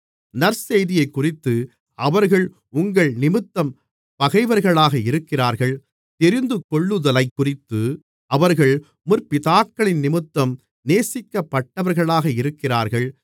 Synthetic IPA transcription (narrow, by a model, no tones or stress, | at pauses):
nɐɾsɛjðɪjɐɪkːʊrɪt̪ːɯ | ɐʋɐɾɣɐɭ | ʊŋɡɐɭnɪmɯt̪ːɐm | pɐɣɐɪʋɐɾɣɐɭaːɣɐɪɾɯkːɪraːɾɣɐɭ | t̪ɛɾɪnd̪ɯkɔɭːɯðɐlɐɪkːʊrɪt̪ːɯ | ʔɐʋɐɾɣɐɭ | mʊɾpɪðaːkːɐɭɪnnɪmɯt̪ːɐm | neːsɪkːɐpːɐʈːɐʋɐɾɣɐɭaːɣɐɪɾɯkːɪra̰ːɾɣɐɭ